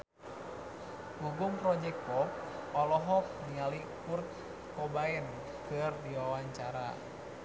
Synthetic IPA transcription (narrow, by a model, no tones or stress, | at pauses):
ɡuɡuŋpɾɔd͡ʒɛk̚t̪pɔp̚ɔlɔɦɔk̚diali | kurt̪̚ | kɔbaɛn | kɨrdiwawaɲt͡ʃaɾa̰